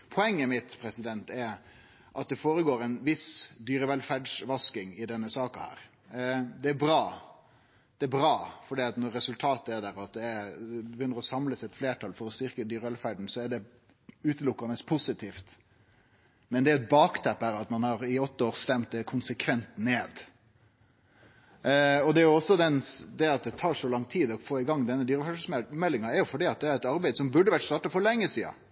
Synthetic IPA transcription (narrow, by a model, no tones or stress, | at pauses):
pʰɔɛŋːəmɪt̪pʰɾɛsɪd̪ɛnt̪ɛɾ | ʔɑt̪̚d̪ɛfoːɾəɡoːɾɛɪnʋɪsd̪yːɾəʋɛlfæɖʂʋɑskɪŋɪd̪ɛnːəsɑːkɑhæ̰ːɾ | d̪ɛæɾbɾɑː | d̪̥ɛæbɾɑːfɔɖiːɑt̪nɔɾːɛsʉlt̪ʰɑːt̪əæɖ̪æɾɑt̪̚d̪ɛɛbɛjʏnːəɾɔsɑmləsɛt̪fleːʈʰɑlfɔɾɔst̪ɪɾkəd̪yːɾəʋɛlfæɖɳ̩sɔæɖɛ | ʉːt̪əlʊkːɑnəspʰʊsɪt̪ʰiːft̪ | mɛnd̪ɛæɾɛt̪̚bɑːkt̪ʰæpːæɾɑt̪mɑnhɑːɾɪɔt̪ːəoːɾst̪ɛmt̪əkʰʊnsəkʰʋɛnt̪neːd̪ | ɔd̪ɛæjʊɔsːɔd̪ɛnd̪ɛɑt̪̚d̪ɛt̪ʰɑːʂɔlɑŋt̪ʰiːd̪ɔfoːɪɡɑŋːd̪ɛnːəd̪yːɾəfæɖmɛlːɪŋɑɛɾjʊfɔɖiːɑt̪̚d̪ɛæɾɛt̪ɑɾbæɪd̪sɔmbʉɖːəʋæʈst̪ɑːʈɑfɔɾlɛŋːəsiːɑ̰